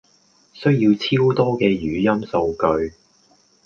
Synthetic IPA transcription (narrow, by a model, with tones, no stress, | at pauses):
sɵ˥ɥji˧wt͡sʰiː˥wt̪ɔː˥kɛː˧jyː˨˥jɐ˥mso˧wkɵ˧ɥ